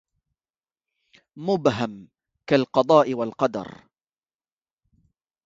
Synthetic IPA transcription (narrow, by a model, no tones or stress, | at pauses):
mʊbɦam | kalqɑd̪ˤɑːʔɪwalqɑd̪ɑ̰ɾˤ